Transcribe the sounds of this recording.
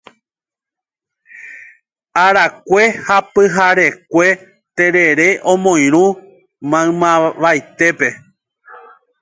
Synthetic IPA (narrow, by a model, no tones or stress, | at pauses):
aɾakʷe̞hapɨɦaɾe̞kʷe̞ | t̪eɾe̞ɾe̞ʔõ̞mõ̞j̃ɾ̃ũ | mãɨ̃mãʋajt̪e̞pe̞